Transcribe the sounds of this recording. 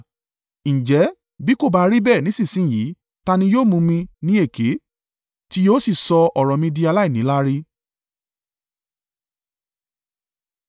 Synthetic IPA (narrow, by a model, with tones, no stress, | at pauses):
n̩ĩ˨d͡ʒɛ˨˦ | bi˦ko˦˨ba˨˧ɾi˦bɛ˦˨nĩ˨˦sĩ˦˨sĩ˦˨ji˨˦ | ta˧nĩ˧joː˦˨mũ˧mĩ˧nĩ˦e˦˨ke˨˦ | ti˦joː˦si˦˨sɔ˧ɔ˨ɾɔ˨mĩ˧di˧a˧la˦i˦˨nĩ˨˦la˦ɾi˦